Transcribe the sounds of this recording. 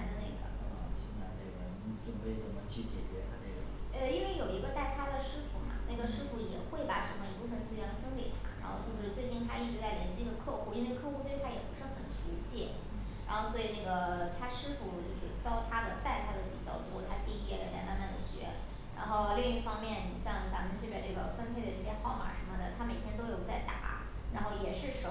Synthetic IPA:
nd̪ə˧ne˥˩ɪɡə̰˩˧˩ɕɛ˥˧t͡sa˥˧ɪnḛ˥˩ɡə˩˥ʈ͡ʂə˥˩ŋme˧˥ɪ˩t͡sə˥˩mə˨˩t͡ɕʰy˥˩t͡ɕjɛ̰˨˩t͡ɕɥɛ˧˥t̪ʰa˥ne˥˩ɡə̰˩ə˥˧i˥nwe˥˩ɪjo˨˩ʊi˧˥ɡə˧t̪a˥˩ɪt̪ʰa˥d̪ə˨ʂɻ̩˥fu˧˥mɐ̰˧na˥˩ɡə˩ʂɻ̩˥fu˧˥jɛ˨˩xwe˥˩ɪpa˨˩ʂə˧˥mə˧i˧˥pu˥˩fə˧nt͡sɹ̩˥ɻnfə˥nke˨˩ɪt̪ʰa̰˥ɻa̰˧˥nxo˥˧ʊt͡ɕo˥˧ʊʂ̩˧˥˧t͡swe˥˧t͡ɕi˥˩ŋt̪ʰa̰˥i˥˩ʈ͡ʂɻ̩˧˥t͡sa˥˩ɪljɛ˧˥nɕi˥˧ɡ̪ə˧kʰɤ˥˧xu˥˩i˥nwe˥˧ɪkʰɤ˥˧xu˥˧t̪we˥˧ɪt̪ʰa˥jɛ˨˩pu˧˥ʂɻ̩˥˩xə˨˩nʂu˧˥ɕjɛ˥˩ | ɻa˧˥nxo˥˧ʊswɔ˧˥i˨˩na˥˩ɡə˩t̪ʰa˥ʂɻ̩˥fu˥˩t͡ɕjo˥˧ʊʂɻ̩˥˩t͡ɕjɑ˥ʊt̪ʰa˥d̪ə˨t̪a˥˩ɪt̪ʰa˥d̪ə˨pḭ˨˩t͡ɕjɑ̰˥˩ʊt̪wɔ˥t̪ʰa˥t͡ɕi˥˧˩i˥ka˨˩la̰˧˥t̪a̰˥˧ma̰˥˧nma˥˩nd̪ə˩ɕɥɛ̰˧˥ | ɻa̰˧˥nxo˥˧ʊli˥˧ŋi˥˩fɑ˥ŋmjɛ˥˧n˩ɕjɑ˥˩ŋt͡sa˧˥mə˨˧nt͡ɕʰy˥˩pja˨˩ʈ͡ʂɤ˥˩ɡə̰˩fə˥npʰe˥ɪd̪ə˨˩ʈ͡ʂɤ˥˩ɕjɛ˥xɑ˥˩˧ʊma̰˨˩ʂə˧˥mə˨d̪ə˩t̪ʰa˥me˨˩ɪt̪ʰɛ˥nt̪o˥ʊjo˨˩ʊt͡sa˥˩ɪt̪a̰˨˩˦ | ɻa˧˥nxo˥˩ʊjɛ˨˩ʂɻ̩˥˩ʂo˨˧˥

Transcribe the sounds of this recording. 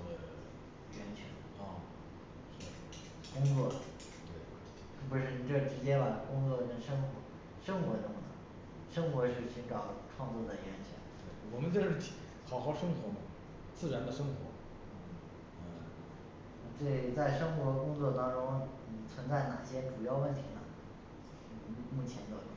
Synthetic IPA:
ə˧˩ | ɥɛ˧˥nt͡ɕʰɛ̰˧˥n˥˩˥ | kʊ˥ŋt͡swɔ˥˩ | t̪we˥˩ɪ˥˩ | p̬u˧˥ʂɻ̩˥˩i˨˩ʈ͡ʂɤ˥˩ʈ͡ʂɻ̩˧˥t͡ɕjɛ˥nwa˨˥˩n˩kʊ˥ŋt͡swɔ˥˩d̪ə˩ʈ͡ʂʊ˥˩ʂɤ˥ŋxwɔ˧˥ | ʂɤ˥ŋxwɔ˧˥t̪ʊ˥˩ŋd̪ə̰˩ | ʂɤ˥ŋxwɔ˧˥ʂɻ̩˥˩ɕi˧˥nʈ͡ʂɑ˨˩ʊʈ͡ʂʰwɑ˥˧ŋt͡swɔ˥˩d̪a˥˩ɥɛ˧˥nt͡ɕʰɛ̰˧˥nt̪we˥˩wɔ˨˩mə˦nt͡ɕjo˥˧ʊʂɻ̩ʰ˥˩˧ | xɑ˨˩˥ʊxɑ˥˩ʊʂɤ˥ŋxwɔ˧˥mɐ˨˧ | t͡sɹ̩˥˩ɻa˧˥nd̪ə˨˧ʂɤ˥ŋxwɔ̰˧˥ | n̩˥˩˥ | ʈ͡ʂe˥˩t͡sa˥˩ɪʂɤ˥ŋxwɔ˧˥˧kʊ˥ŋt͡swɔ˥˩t̪ɑ˥ŋʈ͡ʂʊ˥ŋn̩˥˨˩t͡sʰwə˧˥nt͡sa˥˩ɪna˨˩ɕjɛ˥ʈ͡ʂu˨˩jɑ˥˧ʊwə˥˩nt̪ʰi˧˥nə̰˧˩˥ | mu˥˩t͡ɕʰjɛ˧˥nt̪ə˧˥

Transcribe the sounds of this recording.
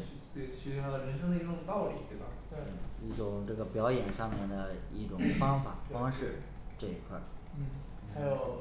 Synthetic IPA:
t̪we˥˩t͡ɕʰi˧˥ʂy˥t̪ʰa˥d̪ə˧ɻə˧˥nʂɤ˥ŋd̪ə˧i˥ʈ͡ʂʊ˨˩ŋt̪ɑ˥˩ʊlḭ˨˩˦t̪we˥˩ɪbɐ˩t̪wi˥˩ʈ͡ʂʊ˨˩ŋʈ͡ʂɤ˥˩ɡə˩pjɑ˧˥ʊjɛ˨˩nʂɑ˥˧ŋmjɛ˥˩nd̪ə˩i˥˩ʈ͡ʂʊ˨˩ŋfɑ˥ŋfa˨˩˦fɑ˥ŋʂɻ̩˥˧ | ʈ͡ʂɤ˥˧i˥kʰwa̰˥˩ | n̩˥˩ | n̩˥xa˧˥ɪjo˨˩ʊ

